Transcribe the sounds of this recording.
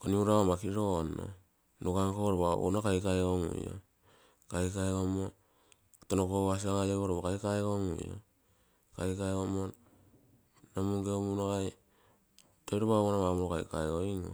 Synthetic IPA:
koniuɾaomakiɾono̰ | noɡaŋkoɾoβa̰o̰nokajkajɡoŋṵjo̰ | kajkajɡomo | tonokoas̬iaɡajekoɾoβokajkaeɡoŋṵjo̰ | kajkajɡomo | namuŋɡeomunaɡaj | tojɾoβaonaβamoɾokajka̰joiŋo̰

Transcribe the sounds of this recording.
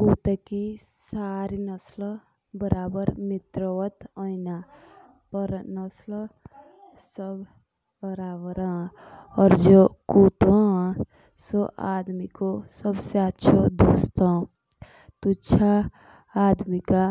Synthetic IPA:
kuːt̪ekisaːɾinəsl | bəɾaːbəɾmɪt̪ɾəʋət̪ɔinapəɾnəsl | səbʱ | bəɾaːbəɾã | ɔːɾd͡ʒoːkuːt̪õ | soʔaːd̪mikosəbseətːʃʰod̪oːst̪o | t̪utːʃʰaː | d̪mika

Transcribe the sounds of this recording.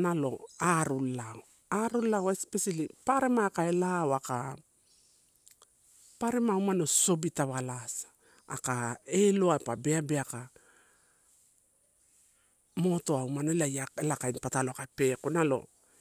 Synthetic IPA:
nalo̞̰aɾulao | aɾulawespesalipaɾemakae̞lawaka | paɾemawmano̞so̞bitaβalasḁ | a̰kaeloapabeabeaka | mo̞to̞awmanelajaelakainpataloakape̞konalo̞̰

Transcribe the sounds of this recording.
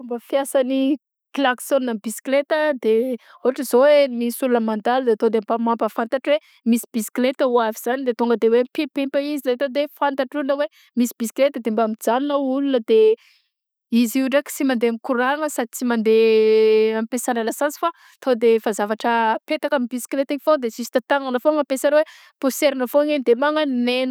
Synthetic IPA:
fumbəfjasani | klaksonːabisi̥klet̪əd̪e | uaʈ͡ʂəzowemisulunəmand̪ald̪et̪od̪embamampəfant̪aʈ͡ʂwe | misi̥bisi̥klet̪əuaviz̥anid̪et̪uŋɡəd̪ewepempempəizilat̪od̪efant̪aʈ͡ʂuunəwe | misibisi̥klet̪əd̪embamid͡zaninəulunəd̪e | iziuɖ͡ʐaki̥simand̪eamikuɾaŋəsad̪it͡simand̪e | ampesanalasasi̥fa | t̪ʰod̪efazavaʈ͡ʂəpet̪akamibisi̥klet̪iifod̪esisi̥t̪at̪aŋanəfoŋapesanwe | post̪eɾinəfoŋenid̪emaŋənnen

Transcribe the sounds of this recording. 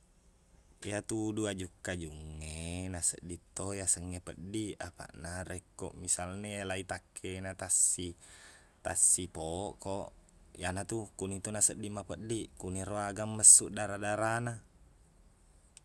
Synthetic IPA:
jat̪uduad͡ʒukːad͡ʒuŋːenasə̰dːit̪ːojasəŋːepəɗːiapa̰ʔnaɾekːo̰ʔmisalnelait̪akʰːenat̪asːi | t̪asːipoʔkoʔ | janat̪ukunit̪onasədːimapəɗːikuniɾoaɡamːəsːuʔdaɾadaɾana

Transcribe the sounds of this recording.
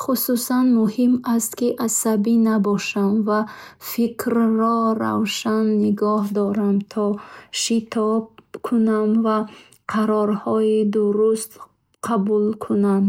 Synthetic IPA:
χususanmuhimast̪kiʔasabinabɔʃamva | fikʰɾːɔɾa̰wʃanːiɡɔhd̪ɔɾamt̪ʰɔʃit̪ʰɔbkʰunamva | qʰaɾɔɾhɔid̪uɾust̪ | qʰabulkʰunam

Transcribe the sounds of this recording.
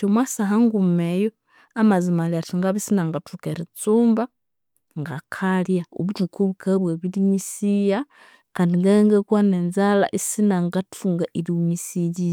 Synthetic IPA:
omwasaɦaŋɡumejo | amazimaliatiŋɡaβisinaŋɡatukeɾit͡suːmba | ŋɡakʰalijao̰βutikuβukʰeβweβiliɲisija | kaːndiŋɡaŋɡekwanenzala̰ʔisinaŋɡatuŋɡaʔiliumisiɟi

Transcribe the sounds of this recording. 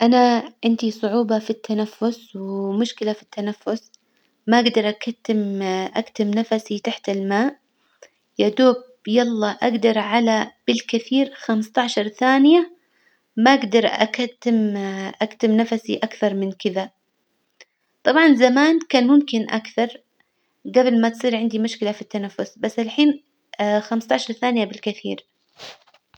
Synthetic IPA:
ʔanaʕɪnd̪isˤʊʕuːbɑfit̪ʰːanafːʊswɪmʊʃkɪlafi̥t̪ːanafːʊs | maʔaɡd̪ɑɾˤʔakat̪ːɪmʔakt̪ɪmnafasit̪aħt̪ɪlmaːʔ | jad̪uːb | jɑlˤːɑʔaɡd̪ɑɾˤʕalab̥ɪlkɪθiːɾxamst̪ɑʕʃɑɾˤθaːnɪja | maʔaɡd̪ɑɾˤʔa̰kat̪ːɪmʔakt̪ɪmnafasiʔakθɑɾˤmɪnkɪða | t̪ˤɑbʕɑnzamaːnkaːnmʊmkɪnʔakθɑɾˤ | ɡablmat̪sˤiːɾʕɪnd̪imʊʃkɪlafit̪ːanafːʊsbasːʔalħiːn | xamst̪aʕʃɑɾˤθaːnɪjabɪlkɪθḭːɾ

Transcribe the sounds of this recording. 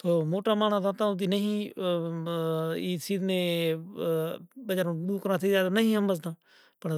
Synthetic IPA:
t̪oːmoːʈaːmaːnãːd̪ãːt̪ãːʊ̃t̪̬iːnəɦĩː | iːsiːd̪nẽː | ɓəd͡ʒaːɾõːɓuːkəɾãːt̪ʰizaːd̪anəɦĩːɦəmbəzt̪ãː | pəɳ

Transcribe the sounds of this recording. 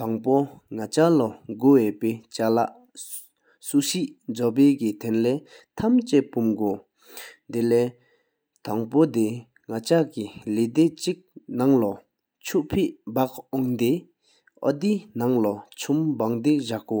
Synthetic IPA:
t̪aŋpoŋat͡ɕalɔɡoweːpet͡ɕalaʔ | suɕiʔnd͡zɔp̬eːkit̪ʰenlɛː | t̪ʰamt͡ɕeʔpumɡo | nd̪elɛː | t̪aŋpod̪e | ŋat͡ɕakiled̪et͡ɕik̚naŋlɔ | t͡ɕʰuʔpʰeʔbakɔŋd̪e | ʔɔ̰d̪inaŋlɔt͡ɕʰumbaŋd̪eʑaʔko

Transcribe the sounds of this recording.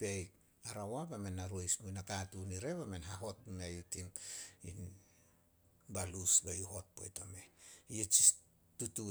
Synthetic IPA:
pej | aɾawabamenːaɾojsmujnakatuniɾe̞βame̞nɦaɦo̞tmejutimin | balusbajuho̞t̚po̞̰jtome̞iet͡ʃis | tutu

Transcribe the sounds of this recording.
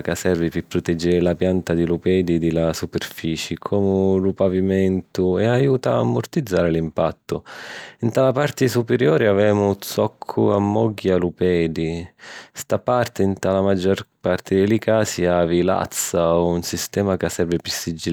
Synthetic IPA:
kasɛrvipɪpːɾʊt̪ɛd͡ʒːɛɾɪlapjant̪ad̪ilupɛːd̪id̪ɪlasupɪrfiːt͡ʃɪkʰɔːmʊlupavimɛnt̪ʊɛajuːt̪aːmːʊrt̪id̪zːaːɾɪlimpa̰t̪ːʊint̪alapart̪ɪsupeɾjɔːɾiavɛːmʊt̪sɔkʰːuamːɔɡːialupɛːd̪ist̪apart̪ɪint̪alamad͡ʒːɔrpart̪ɪd̪ɪlikaːsiaːvila̰t̪saunsist̪ɛːmakasːɛrvɪpɪsːid͡ʒi

